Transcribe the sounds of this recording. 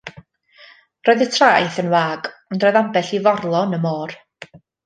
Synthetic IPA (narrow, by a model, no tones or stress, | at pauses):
rɔːɨðətʰrajθənwaːɡɔndrɔːðambɛɬivɔrlˠɔnəmɔːr